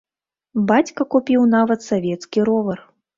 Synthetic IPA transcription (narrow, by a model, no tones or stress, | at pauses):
bat͡sʲkɐkupʲiwn̪avɐt̪savʲɛt̪skʲiɾɔvɐr